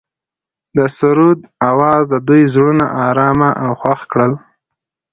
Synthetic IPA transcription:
d̪əsʊɾud̪awɑzd̪əd̪ujzɽunaʔɑɾɑmaʔawxwaxkɽəl

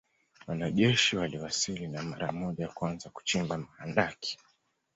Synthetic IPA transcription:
wanaʄɛʃiwaliwasilinamaɾamɔʄajakwanzaku̥t͡ʃimbam̩handaki̥

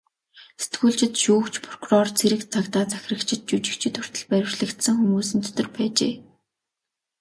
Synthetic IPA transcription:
se̥t̪ɡuːɮt͡ɕɪ̆t̪ʃuːkt͡ɕpʰrɔ̥kʰurɔrt͡sʰeɾɘ̆kt͡sʰakt̪aːt͡sæxʲɪ̆ə̆kt͡ɕʰɪ̆t̪̚t͡ɕut͡ɕɪ̆kt͡ɕʰɪ̆t̪ʰʊ̥r̥t̪ə̆ɮpæɾʲɪ̆wʃɮɘ̆kt̪sɘ̆ŋxumuːsɘ̆nt̪ʰɵ̥t̪ɵ̆rpæːt͡ɕḛː

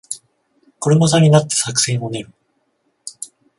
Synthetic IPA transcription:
ko̞ɾɯmosaɲ̟inat̪ːe̞̥sakɯ̟̥sẽ̞ɰ̃oneɾɯ̟

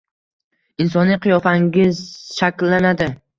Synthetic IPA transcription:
ɪnsɒnːɪqʰɨjɒfaŋɡʲɪzʃakʲlːanad̪ɪ

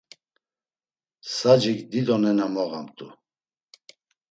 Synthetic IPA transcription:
sad͡ʒikd̪id̪ɔnɛnamɔɣamt̪ʼu

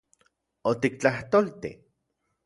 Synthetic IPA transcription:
ot̪ik̚t͡ɬaht̪olt̪ḭ

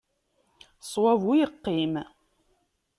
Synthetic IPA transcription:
sˤwɑvujəqːim

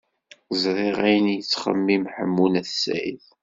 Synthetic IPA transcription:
zɾˤiʁæjənjət͡sːχə̰mːimħə̰mːunæθsæ̰ḭθ

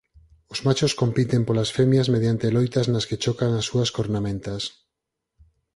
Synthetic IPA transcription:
ozmat͡ʃosko̞mpit̪empolasfemjazmeðjant̪elojt̪aznasket͡ʃokaŋasːuaskoɾnamẽnt̪as

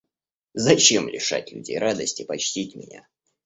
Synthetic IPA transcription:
zɐt͡ɕemlʲɪ̰ʂa̰tʲlʲʊ̰dʲejɾad̪əsʲtʲɪpɐt͡ɕtʲitʲmʲɪnʲa̰

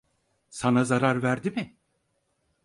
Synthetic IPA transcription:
sanazaɾaɾvæɾd̪imɪ

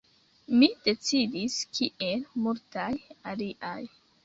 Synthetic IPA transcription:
mid̥e̞t͡sidiskʰiʔe̞lmultajaliʔaj

